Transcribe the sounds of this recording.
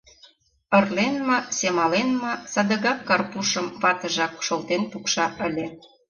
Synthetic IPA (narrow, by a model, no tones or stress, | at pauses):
ə̆rlenmɤsemɑlenmɤ̆sɑd̪ə̆ɣɑkːɑrpuʃə̆mβɑt̪ə̆ʒɑkʃolt̪enp̪ukʃɑʔə̆lʲĕ